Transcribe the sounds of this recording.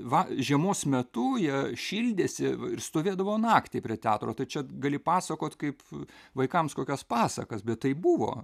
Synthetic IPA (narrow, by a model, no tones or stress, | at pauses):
ʋɐʒʲiɛmoːsmʲɛt̪ʊjiɛʃʲiːlʲd̪ʲeːsʲɪɪrst̪oːʋʲeːd̪ɐʋoːnɑːkt̪ʲɪːpʲɾʲiɛt̪ʲæːt̪ɾoːt̪ɐɪt͡ʃʲɛɡɐlʲɪpɑːsɐkoːt̪kɐɪpʋɐɪkɐmskoːkʲɛspɑːsɐ̰kɐsbʲɛt̪tɐɪbʊʋo̰ː